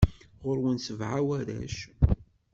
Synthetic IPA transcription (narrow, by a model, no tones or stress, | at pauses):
ʁʊɾwənsəvʕawæðæ̰ʃ